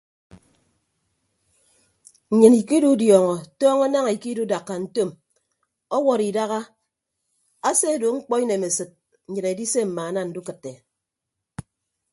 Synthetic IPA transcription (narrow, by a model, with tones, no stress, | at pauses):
ɲ̩˨ɲɨ˨ni˨ki˦du˦djɔː˨ŋɔ˨tɔː˦ŋɔ˦na˦ŋ˨i˨ki˦du˦da˨kːa˨n̩˦to˦˨m | ɔ˦wɔ˨ɾi˨da˦ɣa˦ | a˦se˦˨do˨ŋ͡m̩˦k͡pɔ˦i˦ne˨me˨sɨ˨t̚ | n̩˨ɲɨ˨ɾe˨di˦se˦m̩˨maː˨a˦na˦˨n̩˨˦du˦kɨ˨tːe˨